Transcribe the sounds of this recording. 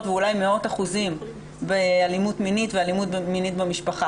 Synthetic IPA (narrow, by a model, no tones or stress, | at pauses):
tveulajmeo̞taχuzim | bealimutminitvealimutbminitbemiʃpaχa